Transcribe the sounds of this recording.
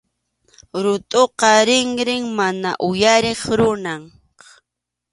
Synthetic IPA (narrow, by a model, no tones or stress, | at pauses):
ɾʊt̪ʼoqɑɾɪŋɾɪŋmanaʔʊjaɾeχɾʊnaɴ